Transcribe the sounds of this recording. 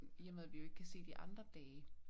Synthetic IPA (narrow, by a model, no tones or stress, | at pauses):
jæmeð̰ˠʋijoe̝ɡ̥əkʰæse̝̰ːd̥iʔɑ̈nd̥ʁɐd̥ɛː